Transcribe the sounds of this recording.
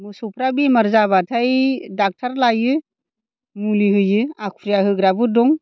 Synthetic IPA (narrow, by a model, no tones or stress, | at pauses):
mɯsɔpʰɾabimaɾzabatʰajdak̚tʰaɾlajɯ | mulihɯjɯakʰɾijahɯɡɾabɯdɔŋ